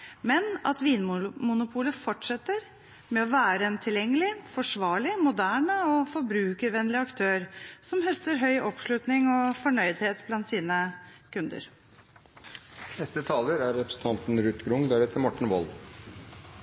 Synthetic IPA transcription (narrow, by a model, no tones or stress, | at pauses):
mɛnɑ̰t̪ʋiːnmmʊnʊpʰuːləfɔʈʂɛt̪ːəɾ | mɛɔʋæːɾəɛnt̪ʰɪljɛŋːəlɪfɔʂʋɑːɭɪmʊd̪æːɳəɔfɔɾbɾʉːkəɾʋɛnːlɪɑkt̪ʰøːɾsɔmhœst̪əɾɦœʏʔɔpʂlʉt̪nɪŋɔfɔɳœʏd̪heːt̪blɑnt̪siːnəkʉnd̪ə̰ɾ | nɛst̪ət̪ʰɑːləɾæɾɾɛpɾəsn̩t̪ɑnt̪n̩ɾʉt̪ɡɾʊŋd̪æːɾɛt̪ʰːəmɔʈːɳ̩ʋɔl